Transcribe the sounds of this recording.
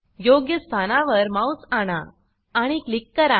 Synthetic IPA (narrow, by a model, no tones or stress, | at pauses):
joɡjəst̪ʰanãʋəɾmawsaɽ̃aː | ɽ̃iklikːəɾa